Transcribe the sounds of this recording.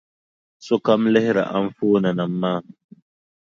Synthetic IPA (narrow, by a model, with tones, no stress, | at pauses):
so˦ka˦mlɪ˦hɪ˦ɾa̰˨ʔa˦ɱ˦foː˦na˨na˨mːaː˦˨